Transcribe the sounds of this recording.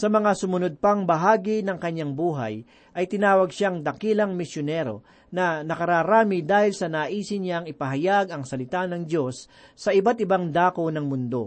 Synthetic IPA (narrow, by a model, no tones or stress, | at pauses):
sɐmɐŋasʊmʊnod̪̚pɐŋbɐɦaːɡinɐŋkɐɲːaŋbuːɦɐ̰j | ʔɐjt̪ɪnaːwɐɡʃaŋd̪ɐkilɐŋmɪsjonɛɾo̰ | nɐnɐkɐɾaːɾaːmɪd̪aːhɪlsɐnaːʔiːsɪɲaŋɪpɐɦɐjaɡɐŋsɐlɪt̪anɐŋd̪o̞sː | ɐʔɪbat̪̚ɪbaŋd̪aːkonɐŋmʊnd̪o̞̰